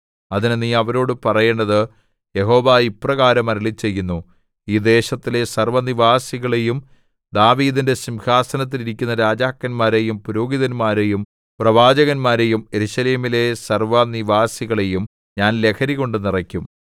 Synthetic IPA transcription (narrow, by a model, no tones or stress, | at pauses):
ɐðinɨniːɐʋɐɾo̞ːɽɨpɐrɐjeɳːɐðɨ | je̞ɦo̞ːʋaiprɐɣaːɾɐmɐɾiɭit͡ɕːe̞jːunːu | iːd̪e̞ːɕɐt̪ːile̞sɐrʋɐniʋaːsiɣɐɭe̞jum | d̪aːʋiːd̪inde̞simhaːsɐnɐt̪̬ːiliɾikʲːunːɐɾaːd͡ʑaːkːɐnmaːɾe̞jumpuɾoːɡiðɐnmaːɾe̞jum | prɐʋaːd͡ʑɐɣɐnmaːɾe̞jume̞ɾuɕɐleːmile̞sɐrʋɐniʋaːsiɣɐɭe̞jum | ɲaːnle̞kʰɐɾiɣo̞ɳɖɨnirɐkʲːum